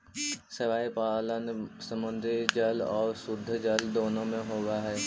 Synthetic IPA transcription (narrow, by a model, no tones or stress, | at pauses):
sɪʋaːipaːlənsə̃mbə̃nd̪ʱid͡ʒəlɔːɾsʊd̪ʱːd͡ʒəld̪oːnõmẽɦoːɡaɦɛː